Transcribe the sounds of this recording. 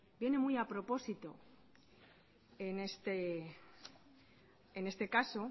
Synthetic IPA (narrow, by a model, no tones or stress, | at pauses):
bje̞ne̞mujapɾo̞po̞sit̪o̞ | ene̞st̪e | ene̞st̪e̞kaso̞